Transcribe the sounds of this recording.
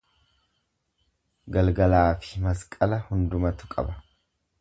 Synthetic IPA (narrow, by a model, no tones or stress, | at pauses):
ɡɐlɡɐlaːfɪ̥mɐskʼɐlɐhʊnd̪ʊmɐt̪ʊ̥kʼɐ̰bɐ̥